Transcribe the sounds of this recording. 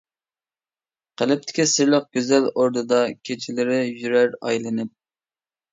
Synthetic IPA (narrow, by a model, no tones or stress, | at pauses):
qʰəlɪp̚t̪ʰɪ̥kʲisɪɾlˠəχ̚ɡʲøzæloɾd̪ɨd̪ɑkʲʰet͡ʃʰilɪɾɪjyɾæɾɑ̰jlˠɨnɪp̚